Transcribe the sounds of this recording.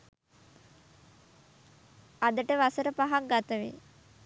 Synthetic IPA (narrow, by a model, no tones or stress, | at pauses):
ad̪əʈəʋasəɾəpaɦaŋɡat̪əʋḛ